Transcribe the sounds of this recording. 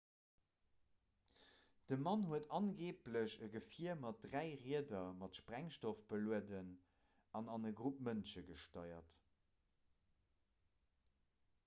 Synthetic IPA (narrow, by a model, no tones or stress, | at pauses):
d̥əmɑnhuətɑnɡeːpləɕəɡəfiəmɑt̚dʁæɪʁiədɐmɑtʃpʁæŋʃtofb̥əluədən | ɑnɑnəɡʁup̚mənʃəɡəʃtɑɪɐ̰t